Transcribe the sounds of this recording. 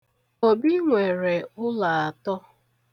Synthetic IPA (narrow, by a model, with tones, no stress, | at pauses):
o˨bi˦ŋʷe˨ɾe˨ʊ˦la˨a˨tɔ˦